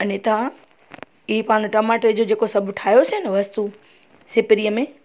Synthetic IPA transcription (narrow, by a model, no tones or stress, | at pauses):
ɐnẽt̪ɐã | ɪɦipaːñʈɐmaːʈed͡ʑod͡ʑeːkosɐbʱʈʰaːɦjoseɪnəʋɐst̪u | sɪpɪɾijəmẽː